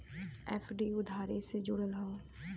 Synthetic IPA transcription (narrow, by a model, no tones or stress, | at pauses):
ɛːfʰɖiʊd̪ʱaːɾesed͡ʒʊɽəlɦõː